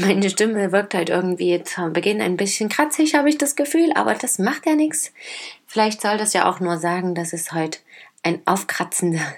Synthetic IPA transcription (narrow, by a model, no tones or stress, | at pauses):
maɪnəʃtɪməvɪɐk̚thɔʏtʔɪ̰ɐɡŋ̩tv̥iːt͡sːmbəɡɪna̰ɪnbɪsçənkʁ̥at͡sɪçhaːbəɪçd̥asɡ̥əfyːlʔa̰ːbɐ̰d̥asmaχtjaːnɪksfɪlaɪçtz̥ɔldasja̰ːʔa̰ʊxnuːɐzaːɡŋ̩dasɛsthɔʏtʔaɪnʔa̰ʊfkʁ̥at͡sn̩də